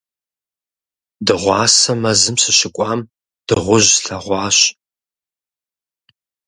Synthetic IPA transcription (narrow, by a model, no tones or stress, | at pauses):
dɨʁʷɑːsɐmɐzɨmsɨɕɪkʷʼɑːm | d̥ɨʁʷʊʑɬɐʁʷɑːɕ